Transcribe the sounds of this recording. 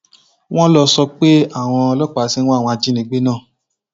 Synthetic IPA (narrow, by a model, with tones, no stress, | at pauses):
w̃ɔ̃˦lɔ˧sɔ˧k͡pe˦a˦˨w̃ɔ̃˧lɔ˦k͡pa˨˦sĩ˦ɔ̃˦˨wɔ̃˧a˧d͡ʒĩ˦nĩ˧˦ɡ͡be˦nãː˦˨